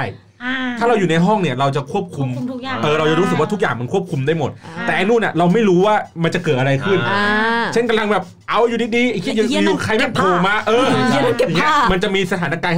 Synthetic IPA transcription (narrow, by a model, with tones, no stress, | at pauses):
a˥˩j | t̪ʰaː˥˩ɾa˧wjuː˨˩na˧jɦɔ˥˩ŋni˥˩ɐɾa˧wt͡ɕa˨˩kʰu˥˩əp̚kʰu˧mʔɤː˨˩ɾa˧wt͡ɕa˨˩ɾuː˦˥sɯ˨˩k̚waː˥˩t̪u˦˥k̚aː˨˩ŋma˧nkʰu˥˩əp̚kʰu˧mdaː˥˩jmo˨˩t̪̚t̪ːɛː˨˩ʔa˧nuː˥˩nʔa˨˩ɾa˧wma˥˩jɾuː˦˥waː˥˩ma˧nt͡ɕa˨˩kɤː˨˩t̪̚ʔa˧ɾa˧jkʰɯ˥˩nt͡ɕʰe˥˩nka˧mla˧ŋbɛː˨˩p̚ | ʔa˧˩wʔjuː˨˩diː˧diː˧˨˩kʰi˦˥˧uː˧˩kʰa˧jmɛ˥˩p̪ʰoː˨˩ma˦˥˩kʔɤː˧˥˨ | ma˧nt͡ɕa˨˩ʔmiː˧sa˧aː˩˦na˦˥kaː˧n